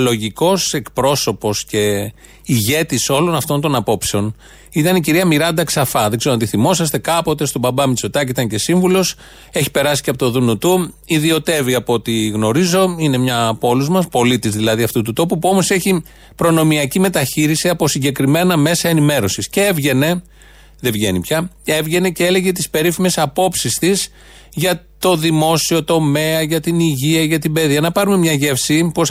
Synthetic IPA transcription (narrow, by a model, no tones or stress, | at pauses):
lo̞ʝiko̞se̞kpɾo̞so̞po̞sce̞ | iʝe̞t̪iso̞lo̞nɐft̪o̞nt̪o̞nɐpo̞pse̞o̞n | it̪ɐniciɾiɐmiɾɐnd̪ɐksɐfɐðeɡze̞ɾoɐnt̪iθimo̞sɐst̪e̞kɐpo̞t̪e̞st̪o̞bɐbɐmisot̪ɐciit̪ɐɲce̞siɱvulo̞s | e̞çi̥pe̞ɾɐsi̥ceɐpot̪o̞ðunot̪uiðio̞t̪e̞viɐpoot̪iɣno̞ɾizo̞ine̞mɲɐpo̞luzmɐspo̞lit̪izðilɐðiɐft̪ut̪ut̪o̞pupuo̞mo̞se̞çi | pɾo̞no̞miɐcime̞t̪ɐçiɾisiɐpo̞siɲɟe̞kɾime̞nɐme̞sɐe̞nime̞ɾo̞sisceevʝe̞ne̞ | ðe̞vʝe̞̰nipçɐe̞vʝe̞ne̞ceele̞ʝe̞t̪ispe̞ɾifime̞sɐpo̞psist̪is | ʝɐt̪o̞ðimo̞sio̞t̪o̞me̞ɐʝɐt̪iniʝiɐʝɐt̪ibe̞ðiɐnɐpɐɾume̞mɲɐʝe̞fsipo̞s